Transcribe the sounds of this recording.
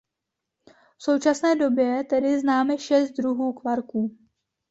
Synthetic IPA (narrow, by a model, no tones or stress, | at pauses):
fso̞wt͡ʃasnɛːdo̞bjɛt̪ɛdɪznaːmɛʃɛst̪̚dɾuɦuːkvaɾkuː